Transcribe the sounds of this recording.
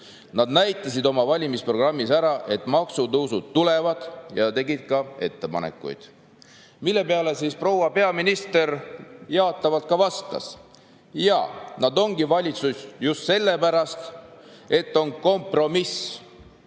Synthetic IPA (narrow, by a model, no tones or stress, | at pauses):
nɑd̪næjt̪ˑːɑs̬id̪o̞mɑvɑlʲimispro̞ɡ̥rɑmːisæɾɑʔe̞t̪ːˑmɑksut̪ɤwsud̪̥t̪ule̞vɑd̪̥jɑt̪e̞ɡid̪̥kɑe̞t̪ːe̞pɑ̰nḛkːˑṵjd̪̥ | milːe̞pe̞ɑle̞sispro̞wɑpe̞ɑminist̪eɾjɑot̪ˑːɑvɑlt̪̚kɑvɑst̪ɑ̰s | jɑ̰nɑd̪o̞ŋɡivɑlʲit̪susʲjust̪se̞lːe̞pæɾɑst̪e̞t̪ːo̞nko̞mpro̞mis